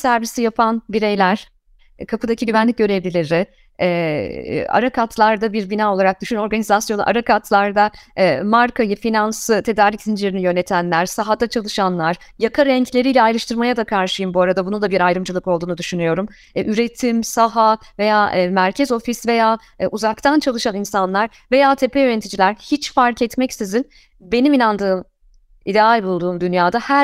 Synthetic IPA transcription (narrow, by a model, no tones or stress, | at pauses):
sæɾvisijapʰanbiɾe̞jlʲæɾ̥ | kʰapɯd̪acʰiɟyvænlʲic̚ɟø̞ɾevlʲilʲeɾɪ | ɛ | a̰ɾakat̪ʰlˠaɾd̪abiɾbinaːo̞lˠaɾak̚d̪̥yʃyno̞ɾɡanizasjo̞nṵʔa̰ɾakʰat̪ʰlˠaɾd̪amaɾkʰajɯfinansɯt̪ʰe̞d̪aɾlʲicsind͡ʒileɾinijø̞ne̞t̪ʰænlʲæɾsaɦad̪at͡ʃʰalˠɯʃanlˠaɾ̥jakʰaɾɛɲclʲe̞ɾijlʲɛajlˠaʃt̪ʰɯɾmajad̪akʰaɾʃɯjɯmbuaɾad̪abunud̪abiɾajɾɯmd͡ʒɯlˠɯko̞lˠd̪uːnud̪yʃynyjo̞ɾum | yɾe̞t̪ʰimsaɦave̞jaːmæɾcʰɛzo̞fisve̞jaː | ʔuzakt̪ʰant͡ʃʰalˠɯʃaninsanlˠaɾ | ve̞jaːt̪ʰe̞pʰejøɾɛt̪ʰid͡ʒilʲæɾhit͡ʃfaɾkɛt̪mɛcsizin | be̞niminand̪ɯːm | id̪ealʲbulˠd̪uːnd̪ynjaːd̪ahæ